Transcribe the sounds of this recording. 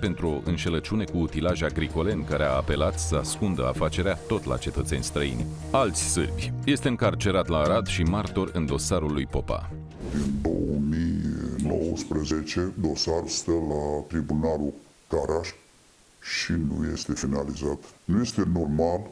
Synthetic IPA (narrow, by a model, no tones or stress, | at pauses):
pe̞nt̪ɾuo̞ʔɨnʃelət͡ʃune̞kuːt̪ilaʒaɡɾiko̞le̞nkaɾeaːpe̞lat̪səaskund̪ə̰a̰fat͡ʃe̞ɾeat̪o̞t̪la̰t͡ʃe̞t̪ət̪se̞nʲst̪ɾəḭnʲ | alt̪sʲsɨ̰rbʲje̞st̪e̞ɨŋkart͡ʃe̞ɾat̪laːɾad̪ʃimart̪o̞rɨnd̪o̞saɾulːujpo̞pa̰ | d̪ind̪o̞̰wəmijno̞̰wəspɾəzet͡ʃe̞d̪o̞saɾst̪əlat̪ɾibunalu | kaɾaʃ | ʃinṵje̞̰st̪e̞finalizat̪nuje̞st̪e̞no̞rmal